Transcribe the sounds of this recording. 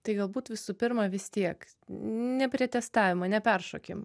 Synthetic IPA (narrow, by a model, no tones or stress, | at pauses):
t̪ɐɪɡɐlˠbuːt̪ʋʲɪsuːpʲɪɾmɐʋʲɪst̪ʲiɛk | nʲɛpʲɾʲiɛt̪ʲɛst̪ɑːʋʲɪmɐnʲɛpʲɛrʃoːkʲɪm